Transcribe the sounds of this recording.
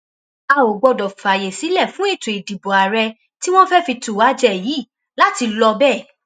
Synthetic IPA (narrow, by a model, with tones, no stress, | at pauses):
a˨˧˨o˨ɡ͡bɔ˧dɔ˨fa˨je˨si˨˦lɛ˦˨fũ˨˦e˦˨tu˨i˨di˨bɔ˨a˨ɾɛ˧ | ti˦w̃ɔ̃˦fɛ˦fi˧tu˨wa˨˦d͡ʒɛ˦˨jiː˨˦˨ | la˦ti˧lɔ˧bɛ˦˨